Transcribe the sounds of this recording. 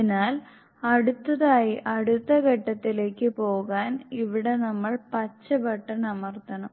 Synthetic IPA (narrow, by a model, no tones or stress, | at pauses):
inaːl | ɐɽut̪ːɐðaːjiʔɐɽut̪ːɐɡɐʈːɐt̪ːile̞ːkːɨpo̞ːɣaːniʋiɽe̞nɐmːɐɭpɐt͡ɕːɐbɐʈːɐnɐmɐrt̪ːɐnɐm